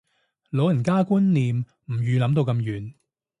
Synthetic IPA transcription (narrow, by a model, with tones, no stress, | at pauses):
lo˨˥wjɐ˨˩nkaː˥ku˥nliː˨m | m̩˨˩jyː˨˧lɐ˨˥mt̪o˧wkɐ˧mjyː˨˩n